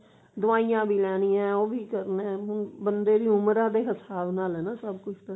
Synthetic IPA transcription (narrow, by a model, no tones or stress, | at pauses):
d̪ʊʋaːijãːbiːlɛːñiːɛ̃ːoːbiːkəɾneːɦʊnbənd̪eːɾiːʊmɾãːd̪eːɦəsaːbnaːlɦɛːnaːsəbkʊt͡ʃʰt̪ə